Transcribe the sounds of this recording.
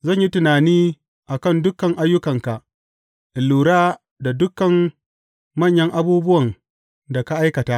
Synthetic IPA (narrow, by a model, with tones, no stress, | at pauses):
zɐ˦˨ɲji˦tʊ˨naː˨niː˦ | ʔa˨kɐ˦˨ndʊ˦kːɐ˨ŋʔa˦jːʊ˦kɐ˨ŋka˨ʔ | ʔɪ˨lːuː˨ɽaː˦ | da˨dʊ˦kːɐ˨m | mɐ˦˨ɲjɐ˦ŋʔa˦buː˦bʊ˦wɐ˨ŋ | da˨ka˦ʔa˦jkɐ˨taː˦ʔ